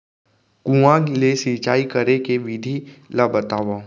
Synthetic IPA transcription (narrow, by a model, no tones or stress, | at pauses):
kũãlesit͡ʃaːikəɾekeʋid̪ʱilabɐt̪aːʋa